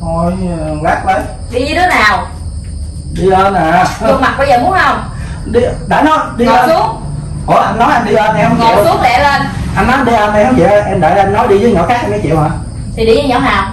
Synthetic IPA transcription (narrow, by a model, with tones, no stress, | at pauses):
o˧˩jla˦˥k̚lə˨˦j | ɗi˧ɲɨ˧t̪ʰe˨˦naː˨˩w | ɗi˧ləː˧nʔaː˨˩˧o˧ma˨˩t̚ɓa˧jzəː˨˩mu˨˦ənhə˧wŋ͡m | ɗi˧ɗa̰ː˨˩nɔ˨˦jɗi˧˨ləː˧su˨˦əŋ | ʔɔ˨˦ʔa˧nnɔ˨˦jʔa˧jnɗi˧ləː˧nʔɛ˧ht͡ɕsu˨˦əɗɛ̰˧˩lə˧nʔa˧nmaː˨˦nɗi˧lə˧nʔɛ˧hə˧wŋ͡mt͡ɕḭ˧˨˧ʔɛ˧mɗa̰ː˧˨˩jlə˧mnɔ˨˦jɗi˧zəː˨˦ɲɔ̰˧˨˦kaː˦˥k̚ʔɛ˧ma˨˦t͡ɕḭ˧˨whaː˨˩ | t̪ʰi˨˩ɗi˧ɲə˧˦ɲɔ̰˧˩˦ɦaː˨˩w